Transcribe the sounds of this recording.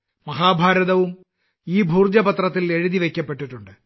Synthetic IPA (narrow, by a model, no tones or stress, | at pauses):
mɐɦaːbʱaːɾɐðɐʋum | iːbʱuːrd͡ʑɐpɐt̪rɐt̪̬ːile̞ɻuðiʋe̞kʲːɐpːe̞ʈːiʈːuɳɖɨ